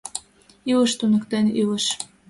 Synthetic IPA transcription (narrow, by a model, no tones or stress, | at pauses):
yləʃt̪unə̆kt̪enyləʃ